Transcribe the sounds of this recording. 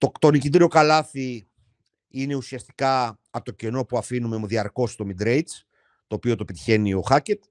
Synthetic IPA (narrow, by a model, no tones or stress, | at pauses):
t̪ot̪o̞nicit̪iɾio̞kɐlɐθi | ine̞usiɐst̪i̥kɐ | ɐpt̪oce̞no̞puɐfinume̞ðiɐɾko̞st̪o̞mid̪ɾe̞j̪s | t̪o̞ːpio̞t̪opet̪i̥çe̞nio̞xɐce̞t̪